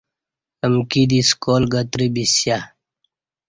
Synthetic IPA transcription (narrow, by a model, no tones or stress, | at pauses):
əmkid̪iskoːlɡət̪ɾibisja